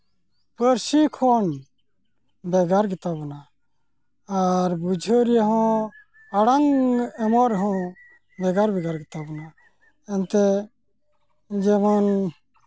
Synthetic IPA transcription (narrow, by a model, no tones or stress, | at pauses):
pəɾsikʰɔn | bɛɡaɾɡit̪abɔna | aɾbud͡ʒʱoɾiaɦɔ̃ | aɽaŋɡɛmɔɾɦɔ̃ | bɛɡaɾbɛɡaɾɡit̪abɔna | ɛnt̪ɛ | d͡ʒɛman